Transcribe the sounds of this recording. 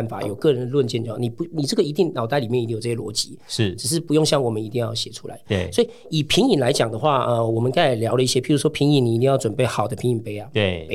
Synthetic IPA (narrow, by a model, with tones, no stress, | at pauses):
nfa̰˨˩˦jo˨˩ʊkɤ˥˨ɻə˧˦nd̪ə˧lwə˥˧nt͡ɕjɛ˥˧t͡ɕo˥˧˩wni˨˩pu˧˦ni˨˩ʈ͡ʂɤ˥˩ɡə˩i˧˥t̪i˥˩ŋnɑ˨˩ʊt̪a˥˩ɪi˨mjɛ˥˩˨j̪i˥˩jʈ͡ʂːɤ˥˩ɛ˥lwɔ̰˧˥t͡ɕi˧˦ʂʈ͡ʂɻ̩˨˩ʂ̬ɻ̩˥˩pu˧˥jo˥˧ŋɕjɑ˥˩ŋwɔ˨˩mə˦ni˧˥t̪i˥˧jɑ˥˩ʊɕjɛ˨˩ʈ͡ʂʰṵ˦˥la̰˧˦ɪ˧swɔ˧˥i˨˩ | i˨˩pʰi˧˥ŋi˨˩nla˧˦ɪt͡ɕjɑ˨˩ŋd̪ə˦xwa˥˩ə˧wɔ˨˩mə˨˦nka˥˩ɪ˨˩ljɑ˧˦ʊlə˦i˥˩ɕjɛ˦˥pʰi˥˩u˧˥wɔ˥pʰi˧˥ŋi˧˦ni˨˧t̪i˥˧ŋjɑ˥˩ʊʈ͡ʂwə˨˩npe˥˩ɪxɑ˨˩ʊd̪ə˦pʰi˧˥ŋi˨˩npe˥ɪa˨e˧˩˥